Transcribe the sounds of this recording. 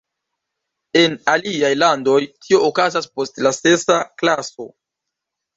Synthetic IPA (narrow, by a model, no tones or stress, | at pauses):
e̞naliajlando̞jtʰio̞ːkazaspo̞stlase̞saklaso̞